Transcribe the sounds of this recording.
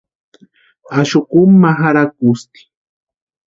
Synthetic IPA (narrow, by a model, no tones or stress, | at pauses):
aʃʊkʊmːaxaɾak̚ust̪i̥